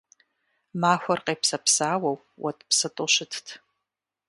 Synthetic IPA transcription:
maːxʷɐrqʼejpʰsɐpʰsaːwaw | wʔatʼpʰsɨtʼoʃɪtʰtʰ

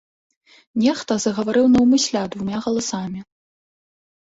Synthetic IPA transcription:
nʲɛxt̪ɐzɐɣɐvaɾɨwnɐwmɨsʲlʲad̪vumʲaɣɐlˠasamʲi

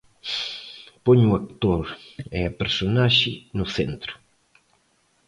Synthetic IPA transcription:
pɔɲʊak̚t̪oɾɛapeɾsonaʃɪnʊθent̪ɾʊ̥

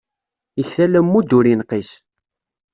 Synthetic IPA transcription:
əçθælæmːud̪uɾinqis

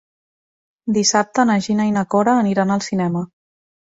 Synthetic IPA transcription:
d̪isap̚t̪ənəʒinainəkɔɾəːniɾanəlˠsinɛmə

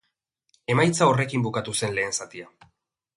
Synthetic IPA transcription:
e̞majt͡sao̞re̞kimbukat̪use̞nle̞ːnsat̪ia

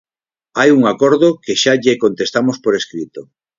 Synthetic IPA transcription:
ajuŋakoɾðokeʃaʎekont̪est̪amospoɾeskɾit̪o

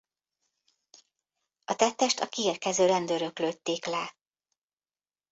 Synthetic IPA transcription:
ɒt̪ɛt̪ːɛʃt̪ɒkieːrkɛzøːɾɛnd̪øɾøkløːt̪ːeːklɛ

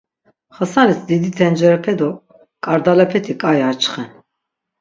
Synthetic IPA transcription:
χəsanisd̪id̪it̪ʰɛnd͡ʒɛɾɛpʰɛd̪ɔ | kʼaɾd̪alɛpʰɛt̪ʰikʼajiat͡ʃχɛn

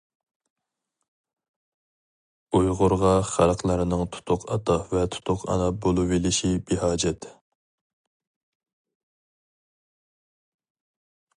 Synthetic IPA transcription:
ujʁʊɾʁɑχælˠqlˠɑɾɨnɨŋt̪ʰu̥t̪ʰʊqʰɑ̰t̪ʰɑvɛt̪ʰʊ̥t̪ʰʊqʰɑ̰nɑbolˠuvɪlɪʃibehɑːd͡ʒɛt̪

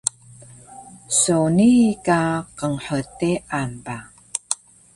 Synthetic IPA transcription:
sonikaqəŋħəteanba

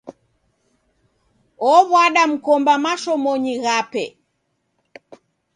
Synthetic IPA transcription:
ɔβwaɗam̩kɔmbamaʃɔmɔɲiɣapɛ̰

